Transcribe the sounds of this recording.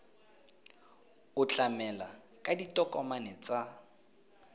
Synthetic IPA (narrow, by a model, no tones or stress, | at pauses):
ʊt͡ɬamɛla | kʼaditʼɔkʼɔmanɛt͡sa